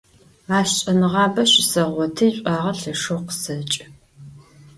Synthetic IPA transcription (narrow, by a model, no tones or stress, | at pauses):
aːɕɕʼɐnɨʁɑːbɐɕɪsɐʁʷɔtʰɨjɕʷʼaːʁɐɬɐʂoqə̥sɐt͡ʃʼ